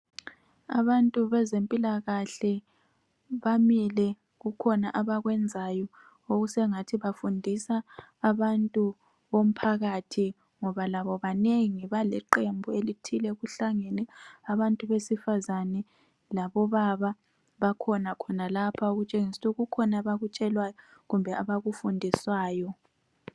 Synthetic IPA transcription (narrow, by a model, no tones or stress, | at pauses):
a̰βantʼuβɛzempʼilaɣaɬɛ | βamilɛ | ɣukʰɔnaʔaβaɣwɛnd͡zʱajɔ | oɣusɛŋatʰiβafundʱisaːβantʼu | βom̩pʰaɣatʰi | ŋɔβalaβɔβaneŋiβalɛǃembʱuelitʰilɛɣuɬaŋenɛaβantʼuβesifazanɛ | laβɔβaβa | βakʰɔnakʰɔnalapʰaoɣut͡ʃʼeŋisuɣukʰɔnaβaɣut͡ʃʼɛlwajɔɣumbʱɛaβaɣufundʱiswaːjɔ